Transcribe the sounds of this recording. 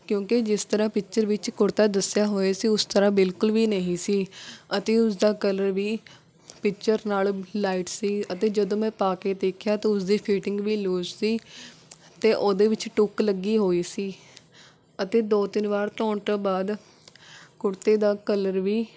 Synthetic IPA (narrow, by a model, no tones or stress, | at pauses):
kjõːkɪd͡ʒɪst̪əɾãːpɪkt͡ʃəɾʋɪt͡ʃkʊɽt̪aːd̪əsːɪjaːɦoːeːsiːʊst̪əɾãːbɪlkʊlʋiːnəɦĩːsiːət̪eːʊsd̪aːkələɾʋiː | pɪkt͡ʃəɾnaːllaːiːʈsiːət̪eːd͡ʒəd̪õːmɛ̃ːpaːkeːd̪eːkʰjaːt̪ãːʊsd̪iːpʰiːʈɪŋɡʋiːloːzsiː | t̪eːʔoːd̪eːʋɪt͡ʃʈʊkləɡiːɦoːiːsiː | ət̪eːd̪oːt̪ɪnʋaːɾt̪ɔːɳʈə̃ːbaːd̪ | kʊɽt̪eːd̪aːkələɾʋiː